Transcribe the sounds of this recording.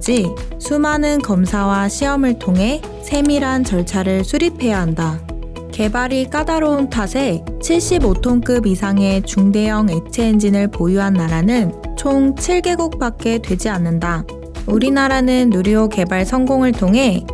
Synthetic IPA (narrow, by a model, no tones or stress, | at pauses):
d͡ʑi | sʰumanɯnkʌmsʰawaɕʰiʌmɯɭtʰoŋɦe̞ | sʰe̞miɾant͡ɕʌɭt͡ɕʰaɾɯɭsʰuɾipʰe̞jaɦanda | ke̞baɾik͈adaɾountʰasʰe̞t͡ɕʰiɭɕ͈ibotʰoŋk͈ɯbisʰaŋe̞t͡ɕuŋde̞jʌŋe̞t͡ɕʰeːnd͡ʑinɯɭpojuɦanːaɾanɯnt͡ɕʰoŋt͡ɕʰiɭɡe̞ɡuk̚p͈ak̚k͈e̞dwe̞d͡ʑianːɯnda | uɾinaɾanɯnːuɾjoke̞baɭsʰʌŋɡoŋɯɭtʰoŋɦe̞